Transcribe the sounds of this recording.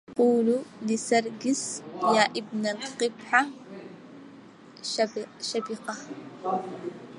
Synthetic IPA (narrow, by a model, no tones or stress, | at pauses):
quːlulɪsɑɾˤɡɪsjaːʔɪbnalqɪbħa | ʃabiqɑ